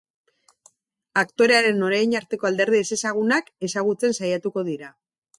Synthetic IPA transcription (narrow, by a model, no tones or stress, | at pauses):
akt̪o̞ɾe̞aɾe̞no̞ɾajɲaɾt̪e̞ko̞ald̪e̞ɾð̞iese̞saɣ̞unake̞saɣut͡se̞nsajat̪uko̞ð̞iɾa